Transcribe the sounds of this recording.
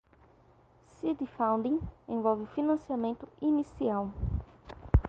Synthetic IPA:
sid̪ifãw̃nd̪ĩŋẽvɔwvɪfinɐ̃siamẽnt̪ʊinisiaw

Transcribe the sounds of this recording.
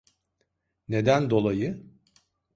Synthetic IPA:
ne̞d̪ænd̪o̞lˠajɯ

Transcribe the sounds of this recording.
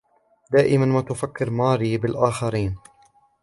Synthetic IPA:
d̪aːʔɪmanmaːt̪ʊfakːɪɾmaːɾiːbɪlʔaːxaɾiːn

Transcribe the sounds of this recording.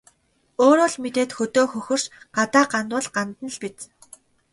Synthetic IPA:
oːɾoːɮmet̪eːt̪xɵt̪oːxɵxɵ̆r̥ʃɢ̥at̪aːɢant̪ʊ̆ɮɢant̪ə̆n̆ɮpit͡s

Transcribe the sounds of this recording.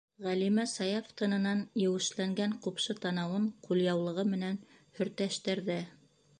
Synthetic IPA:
ʁælimæsɑjɑft̪ɤ̆nɤ̆nɑnjɘ̆wɘ̆ʃlæŋɡæɴqupʃɤt̪ɑnɑwɤɴquljɑwlˠɤ̆ʁɤmɘ̆næn | hɵ̆ɾt̪æʃt̪ɘ̆ɾðɘ

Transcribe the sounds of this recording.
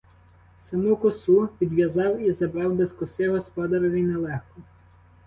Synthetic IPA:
sɐmukɔsupʲid̪ʋʲjɐzɑwizɐbɾɑwd̪eskɔsɪɦɔspɔd̪ɐɾɔʋʲinɛlˠɛxkɔ

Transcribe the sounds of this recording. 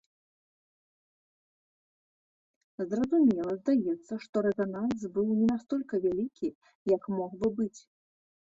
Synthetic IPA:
zrɐzumʲɛlˠɐzd̪ajɛt̪sːɐʂt̪ɔɾɛvʲanalsbɨwnʲɛnast̪ɔlʲkɐvʲalʲikʲʰi | jɐkmɔɣbɨbɨt͡sʲ

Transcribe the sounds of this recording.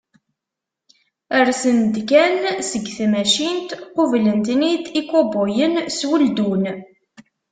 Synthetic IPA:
əɾsənd̪kænsəɡθmæʃint̪qʊvlənt̪nid̪ikːobojənswəld̪un

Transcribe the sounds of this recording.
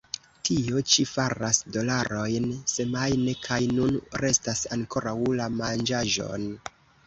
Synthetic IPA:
tʰio̞t͡ʃifaɾasdo̞laɾo̞jnse̞majnekʰajnunɾe̞stasaŋko̞ɾawlamand͡ʒaʒo̞̰n

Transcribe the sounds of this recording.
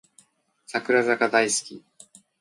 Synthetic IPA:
sakɯ̟ɾazakad̪aisɨ̥kʲi

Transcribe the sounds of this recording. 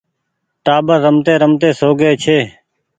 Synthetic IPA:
ʈaːbəɾːəmt̪eːɾəmt̪eːsoːɡeːt͡ʃʰeː

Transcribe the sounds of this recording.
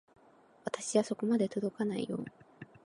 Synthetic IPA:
βat̪aɕiβaso̞ko̞mad̪e̞t̪o̞d̪o̞kanaḭjo̞̰ː

